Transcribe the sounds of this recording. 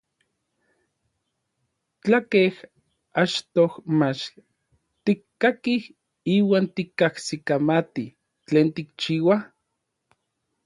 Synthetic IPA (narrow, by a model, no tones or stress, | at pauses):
t͡ɬakeh | at͡ʃt̪ohmat͡ʃ | t̪ikːakih | iːwaːnt̪ikːahsikamat̪i | t͡ɬeːnt̪ik̚t͡ʃiːwa